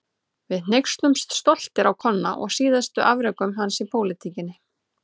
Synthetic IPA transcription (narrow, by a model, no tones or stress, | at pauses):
vɪðn̥ejkst̪lʏmst̪st̪ɔl̥t̪ɪɾawkʰɔnːaʔɔ̰ɣsiːðast̪ʏʔavɾœkʏmɦansipʰowlɪt̪ʰiːcɪnːɪ